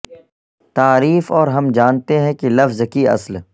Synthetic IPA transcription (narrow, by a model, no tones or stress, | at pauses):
t̪aːɾiːfɔːɾɦɐmd͡ʒaːnt̪eɦɛ̃kelɐfzkiɐ̰sl